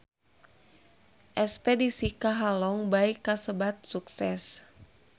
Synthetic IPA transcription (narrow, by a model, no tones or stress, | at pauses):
ʔɛspɛdisikaɦalɔŋbaikːasəbat̪̚suksɛs